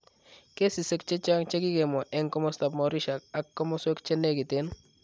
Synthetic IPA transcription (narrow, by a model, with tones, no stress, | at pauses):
ke˦si˨se˦k̚t͡ʃe˦t͡ʃa˦ŋt͡ʃe˦ki˦ke˨mɔ˨ʔɛ˦ŋkɔ˦mɔ˦sta˨p̚mɔ˨ɾi˦ʃa˨k̚a˦kːɔ˦mɔ˦swe˦kt͡ʃe˦nːe˦ki˨te˦n